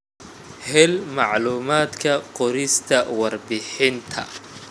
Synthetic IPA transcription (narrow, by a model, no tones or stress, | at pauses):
hɛlmɑʕluːmaːd̪kʰɐqɔɾɪst̪ʰɐwɑrbɪħɪnt̪ʰɐ̰